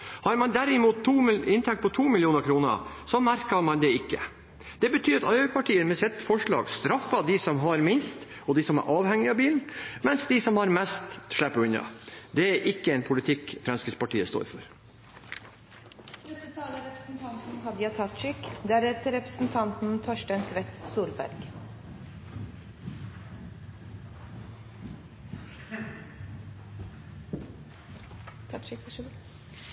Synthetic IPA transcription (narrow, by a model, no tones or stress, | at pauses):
hɑɾmɑnd̪æɾɪmuːt̪t̪ʰːuːɪnt̪ʰɛkt̪̚pʰɔt̪ʰuːmɪljuːnəɾkʰɾuːnə̰ | sɔmæɾkɑmɑnd̪ɛɪkːə̰ | d̪̥ɛbət̪ʰyːɾɑt̪ɑlpʰɑʈʰiːəmɛsɛt̪ːfɔʂɭɑ̰ːɡst̪ɾɑfːɑd̪ɪsɔmɦɑɾmɪnst̪ | ɔd̪ɪsɔmæ̰ɾʔɑːʋhɛŋːɪɑbiːln̩mɛnsd̪ɪsɔmhɑɾmɛst̪ʂɭæpːəʉnɑ̰d̪ɛæɾʔɪkːəɛnpʰʊlɪt̪ʰɪkːfɾɑnskəspɑʈiːəst̪o̰ːɾfɔɾ | d̪ɛt̪ːət̪ʰɑːləɾɛpɾəsn̩t̪ʰɑnt̪n̩ɦɑd̪əjɑt̪ʰɑt̪ʃɪkd̪ææɾɛt̪əɾɛpɾə̥sn̩t̪ʰɑnt̪n̩t̪ʰɔʂʈənsʋɛt̪suːɾbæ̰ɾɡ | t̪ʰɑɪ